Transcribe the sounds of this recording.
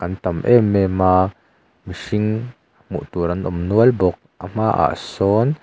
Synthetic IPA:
kɐnt̪ɐmʔɛmɛmaː | miʂiŋ | mṵʔt̪uɾɐnʔʊmnuəlbɔk̚ʔam̥aːʔa̰ʔsɔːn

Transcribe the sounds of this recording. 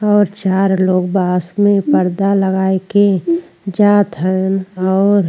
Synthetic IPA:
ɔːɾt͡ʃaːɾloːɡbaːsmẽpəɾd̪aləɡaːeke | d͡ʒaːt̪ɦɛnɔːɾ

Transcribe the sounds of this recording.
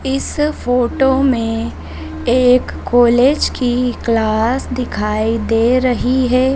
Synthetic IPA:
ɪsfoːʈomẽ | eːkːoːleːd͡ʒkiklaːsd̪ɪkʰaːid̪eːɾɐɦiɦɛː

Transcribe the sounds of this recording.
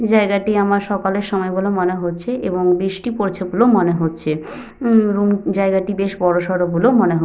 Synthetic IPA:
d͡ʑaeɡaʈiamaɾʃɔkaleɾʃɔmɔeɡulomoneɦotːt͡ɕʰeʔeboŋbɾiʃʈipoɾt͡ɕʰebolomoneɦotːɕʰe | ɾumd͡ʑaeɡaʈibeʃbɔɾoʃɔɾobulomoneɦo

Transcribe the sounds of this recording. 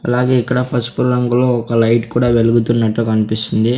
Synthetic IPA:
ɐlaːɡe̞ːikːɐɽɐpʰɐɾsʈpuɾɾɐŋɡulo̞ːɔkɐlɐjʈkuːɽaːʋe̞luɡut̪unːɐʈːukɐnipist̪und̪i

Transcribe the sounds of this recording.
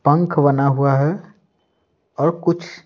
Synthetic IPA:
pə̃ŋkʰbənaɦuaɦɛ | ɔːɾkʊt͡ʃʰ

